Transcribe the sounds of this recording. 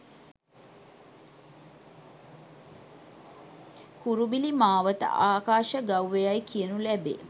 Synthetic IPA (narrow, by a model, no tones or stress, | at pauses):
kuɾubilimaːʋət̪ə̰ʔaːkaːʃəɡawʋejajkijənulæbḛː